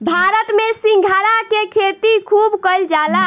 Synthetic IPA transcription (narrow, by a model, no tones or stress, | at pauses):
bʱaɾət̪mesiŋɡʱaɾakekʰet̪ikʰubkəld͡ʒala